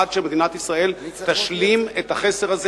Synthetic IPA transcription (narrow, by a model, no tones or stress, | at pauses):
ad̪ʃemed̪inat̪isʁae̞lt̪aʃlimet̪haχe̞seʁaz